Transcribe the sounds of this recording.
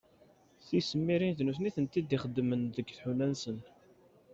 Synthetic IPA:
θisəmːiɾint̪nuθniθənt̪id̪iχəd̪ːmənðəɡθħunænsən

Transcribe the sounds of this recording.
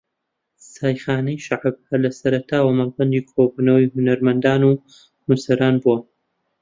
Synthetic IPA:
saːjχaːnɐjʃaʕab̚hɐlɐsɐɾɐt̪ʰaːwɐmɐlbɐnd̪ikʰobuːnɐwihunɐɾmɐnd̪aːnuː | husɐɾaːnbuɐ

